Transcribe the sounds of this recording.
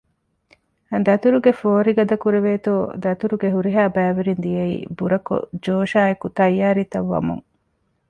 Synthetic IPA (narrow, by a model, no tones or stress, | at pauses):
ɐd̪ɐt̪uɾuɡefoːɾiɡɐd̪ɐkuɾeʋeːt̪oːd̪ɐt̪uɾuɡeɦuɾiɦaːbæːʋeɾind̪ijɐḭːbuɾɐko̰d͡ʒoːʃaːekut̪ɐjːaːɾit̪ɐʋːɐ̰mṵŋ